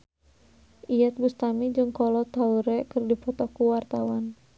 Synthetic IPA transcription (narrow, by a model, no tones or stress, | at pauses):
ʔijat̪̚bust̪amid͡ʒɨŋkɔlɔt̪auɾɛkɨrdipɔt̪ɔkuwart̪awan